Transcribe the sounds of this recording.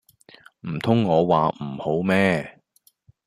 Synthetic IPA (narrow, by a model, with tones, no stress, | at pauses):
m̩˨˩t̪ʰʊ˥ŋːɔː˨˧waː˨m̩˨˩ho˨˥wmɛː˥